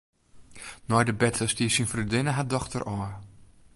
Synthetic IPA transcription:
nɔjdəbɛtʰəstiəsinfridɪnəɦadɔxtərʔɔ

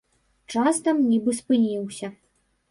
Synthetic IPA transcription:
t͡ʂast̪ɐmnʲibɨspɨnʲiwsʲɐ

